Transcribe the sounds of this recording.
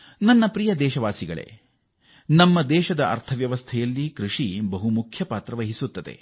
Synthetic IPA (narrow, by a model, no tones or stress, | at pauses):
nɐnːɐpɾijɐd̪ɛːʃɐʋaːsiɡɐɭḛ | nɐmːɐd̪ɛːʃɐd̪ɐʔɐ̰ɾt̪ʰɐʋjɐʋɐst̪ʰɛjɐlːikɾuʂibɐɦumukʰjɐpaːt̪ɾɐʋɐɦisut̪ːɐd̪ḛ